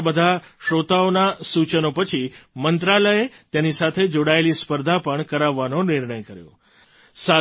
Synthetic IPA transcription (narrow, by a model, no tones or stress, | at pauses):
bəd̪ʱaʃot̪aonasut͡ʃənopət͡ʃʰimənt̪ɾaləet̪jenisat̪ʰed͡ʒoɽaelispəɾd̪ʱapəɳkəɾaʋːanonɪɾɳəjkəɾjõ̰ | sa